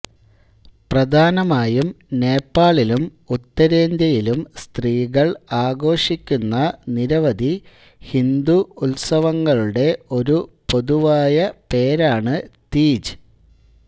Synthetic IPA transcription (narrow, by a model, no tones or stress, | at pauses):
prɐd̪ʱaːnɐmaːjumne̞ːpːaːɭilum | ut̪ːɐɾe̞ːnd̪jɐjilumst̪riːɣɐɭaːɡo̞ːʂikʲːunːɐniɾɐʋɐd̪i | hind̪uːlsɐʋɐŋːɐɭuɽe̞o̞ɾupo̞ðuʋaːjɐpe̞ːɾaːɳɨt̪iːd͡ʑɨ